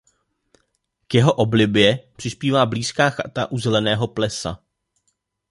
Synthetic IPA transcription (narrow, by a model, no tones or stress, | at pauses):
kjɛɦo̞ʔoblɪbjɛpr̝̥ɪspiːvaːbliːskaːxat̪aʔuzɛlɛnɛːɦo̞plɛsa̰